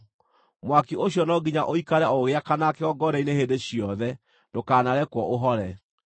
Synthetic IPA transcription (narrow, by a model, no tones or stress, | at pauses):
mwakioɕjɔnɔɡiɲaʔoikaɾɛoɣeakanakeɔɡɔɾɛinehedeɕjɔðɛ | dokaːnaɾɛkwɔʔoɦɔɾɛ